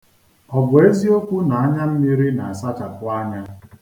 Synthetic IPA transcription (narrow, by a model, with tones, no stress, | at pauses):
ɔ˨bʊ˨e˦zi˦o˦kʷu˦na˨a˦ɲa˦m̩˦mi˦ɾi˦na˨a˨sa˦t͡ʃa˨kʊ˦a˦ɲa˦